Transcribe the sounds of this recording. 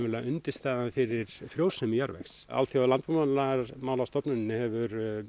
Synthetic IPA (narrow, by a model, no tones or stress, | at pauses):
mɪlaʔʏnt̪ɪ̥st̪aːðanfɪɾɪɾ̥fɾjowsʏmɪjaɾvɛ̰xsa̰lθjaalant̪mamanlamaːwlast̪ɔpnʏnɪnːɪhɛvʏɾ